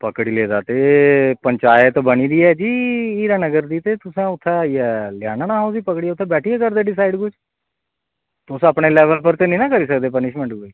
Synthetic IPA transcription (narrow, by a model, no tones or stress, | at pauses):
pəkɽiːleːd̪aːt̪eːpəɲt͡ʃaːjət̪bəñiːd̪iːɛːd͡ʒiːiːɾaːnəɡəɾd̪iːt̪eːt̪ʊsãːʊt̪ʰːãːiːɛːljaːnaːnãːɦoːsiːpəkɽiːɛʊt̪ʰːeːbɛːʈʰiːeːkəɾd̪eːɖɪs̬aːɪɖkʊd͡ʒ | t̪ʊsəpɳeːlɛːʋəlpəɾt̪eːnĩːnãːkəɾiːs̬əkd̪eːpənɪʃmə̃ɳʈɡiː